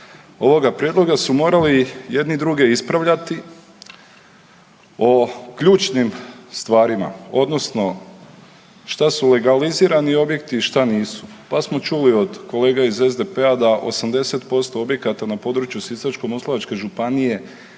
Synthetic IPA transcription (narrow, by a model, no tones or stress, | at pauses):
o̞ʋo̞ɡapɾje̞d̪lo̞ɡasumo̞ːɾalije̞d̪nid̪ɾuɡe̞ispɾaʋʎat̪i | o̞kʎuːt͡ʃnimst̪ʋaːɾima̰o̞d̪no̞sno̞ | ʃt̪asule̞ɡaliziːɾanio̞bje̞kt̪iʃt̪aniːsu̥pasmo̞t͡ʃulio̞d̪ko̞le̞ːɡaize̞zd̪e̞pe̞ad̪aʔo̞̰samd̪e̞se̞t̪po̞st̪o̞o̞bje̞kat̪anapo̞ːd̪ɾut͡ʃjusisat͡ʃko̞moslˠoʋat͡ʃke̞ʒupanije̞